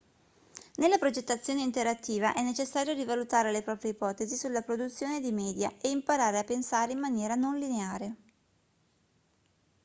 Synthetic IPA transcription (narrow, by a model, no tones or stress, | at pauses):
nelːapɾod͡ʒet̪ːat̪sːjoːneint̪eɾat̪ːiːva̰ʔɛnːet͡ʃesːaːɾjoɾivalut̪aːɾelepɾɔːpɾjeipɔːt̪ezisulːapɾod̪ut̪sːjoːned̪imɛːd̪jaeimpaɾaːɾeapːensaːɾeimːanjɛːɾanonlineaːɾe